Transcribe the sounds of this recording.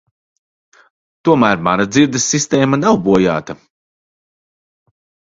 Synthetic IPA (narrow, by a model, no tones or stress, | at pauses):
t̪uɔmæːɾmanad̪ziɾd̪ɐsːist̪ɛːmanawbuɔja̰ːt̪a